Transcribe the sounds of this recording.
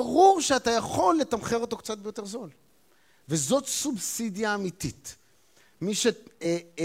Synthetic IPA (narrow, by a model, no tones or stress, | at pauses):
aʁuʁʃeat̪ajaχo̞lːet̪amχeʁo̞t̪o̞kt͡sat̪̚bejo̞t̪e̞ʁzo̞l | vezo̞t̪subsid̪jaːmit̪it̪ | miʃe